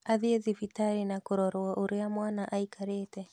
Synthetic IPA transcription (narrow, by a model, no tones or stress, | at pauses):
aðieðifitaɾinakoɾɔɾwaʔoɾeamwaːnaʔaikʰaɾeːtɛ